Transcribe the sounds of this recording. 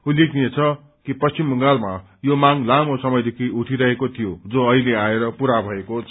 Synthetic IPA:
ɦulikʰniet͡sʰʌ | kipʌst͡simːʌŋɡalma | jomaŋlamosʌmʌjd̪ekʰiuʈʰiɾʌɦekot̪ʰijod͡zoʌileaeɾʌpuɾabʱʌekot͡sʰ

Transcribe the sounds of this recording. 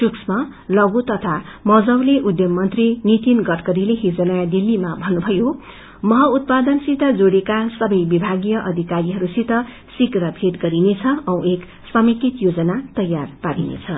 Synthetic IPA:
ʈuksma | lʌɡut̪ʌt̪ʰamʌd͡zʌwleʔud̪jʌmːʌnt̪rinit̪inɡʌʈkʌɾileɦid͡zʌnajad̪ilːimabʱʌnːubʱʌjo | mʌɦʌut̪̚pad̪ʌnsit̪ʌd͡zoɽekasʌbʌjbibʱaɡijʌʔʌd̪ʱikaɾiɦʌɾusit̪ʌ | sikrʌbʱeʈɡʌɾinet͡sʰʌʌw̃ek | sʌmikit̪jod͡zʌnat̪ʌjːarpaɾḭnḛt͡sʰʌ

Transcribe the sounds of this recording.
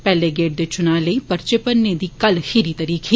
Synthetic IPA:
pɛːleɡeːʈ̚d̪et͡ʃʊnaːləipɐɾt͡ʃɪpənːed̪ikɐlhiɾit̪ɐɾiːkʰe

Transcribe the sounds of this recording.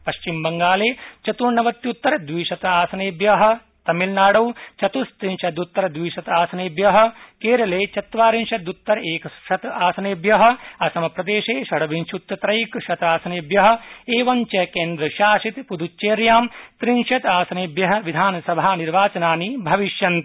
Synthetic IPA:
pɐʃt͡ʃimbɐŋɡaːleːt͡ʃɐt̪uːɾnɐʋɐt̪ːjut̪ːɐɾɐd̪ʋiːʃɐt̪ɐaːsɐneːbjɐɦɐ̆ | t̪ɐmilnaːɽɐwt͡ʃɐt̪ust̪ɾinʃɐd̪ut̪ːɐɾɐd̪ʋiːʃɐt̪aːsɐneːbjɐɦɐkeːɾɐleːt͡ʃɐt̪ʋaːɾinʃɐd̪ut̪ːɐɾeːkɐʃɐt̪aːsɐneːbjɐɦɐ̆ɐsɐmɐpɾɐd̪eːʃeːʃɐɽɐʋinʃut̪ːɐt̪ɾɐjkʃɐt̪aːsɐneːbjɐɦɐ̆eːʋɐnt͡ʃɐkeːnd̪ɾɐʃaːʃit̪pud̪ʱut͡ʃːeːɾjaːmt̪ɾinʃɐt̪aːsɐneːbjɐɦɐ̆ʋid̪ʱaːnɐsɐbʱaːniɾʋaːt͡ʃɐnaːnibʱɐʋiʃjɐnt̪

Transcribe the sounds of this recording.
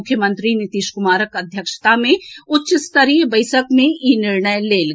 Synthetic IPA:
ʊkʰːjəmə̃nt̪ɾinɪt̪iːʃkʊmaːɾəkɐd̪ʱjəkʃt̪amẽʊtːʃəst̪əɾiːbɐɪsəkmẽinɪɾɳəjleːl

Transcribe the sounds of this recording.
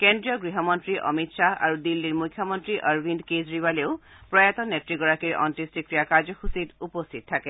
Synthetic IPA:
kendɹijɔɡɹiɦɔmɔntɹiʔɔ̰mitʃaa̰ɹud̪ilːiɹmukʰːjɔmɔntɹiʔʌɹbʱindkezɹibaleʊ | pɹɔjat̪ɔnetɹiɡɔɹakiɹɔ̰ntistikɹijakazɔxusitupost̪ʰit̪̚tʰakɛ

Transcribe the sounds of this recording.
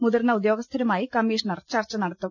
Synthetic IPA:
muðɐrnːɐud̪joːɡɐst̪ʰɐɾɐmaːjikɐmːiːʂɐnɐrt͡ɕɐrt͡ɕːɐnɐɽɐt̪ːu

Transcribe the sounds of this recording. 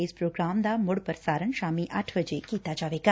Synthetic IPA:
espɾoːɡɾaːmd̪amʊɽpəɾsaːɾəɳʃaːmiʔaʈʰʋəd͡ʒekiːt̪ad͡ʒaːʋeːka

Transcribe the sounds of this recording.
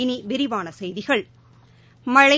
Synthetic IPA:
niʋɪɾɪʋaːnɐsɛjðɪɣɐɭ | mɐɻɐ

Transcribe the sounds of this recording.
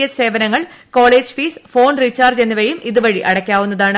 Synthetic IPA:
jɐt̪se̞ːʋɐnɐŋːɐɭko̞ːɭeːd͡ʑfiːsfo̞ːnrit͡ɕːaːrd͡ʑenːiʋɐjumʔiðuʋɐɻiʔɐɽɐkʲːaːʋunːɐðaːɳɨ

